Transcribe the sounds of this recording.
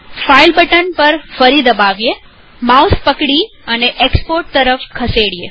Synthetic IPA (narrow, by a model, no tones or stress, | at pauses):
failbəʈənpəɾfəɾid̪əbaʋje | mawspəkɽi | əneʔekspoɾʈ̚t̪əɾəfkʰəseɽie